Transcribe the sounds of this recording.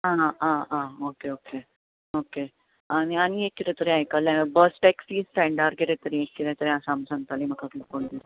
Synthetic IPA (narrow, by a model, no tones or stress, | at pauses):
ɦãããokeoke | oke | añiaɽ̃iekːiɾẽt̪əɾeajkalẽbəsʈɛksiːsʈɛ̃ɳɖaɾkeɾẽt̪əɾĩekkiɾẽt̪əɾẽasamsãŋɡt̪alim̤əkʰaklikoɳd̪is